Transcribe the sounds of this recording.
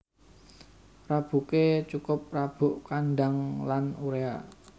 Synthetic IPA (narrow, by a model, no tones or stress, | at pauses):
rab̥ṳket͡ʃukʊp̚rab̥ʊ̤ʔkanɖaŋlanuɾea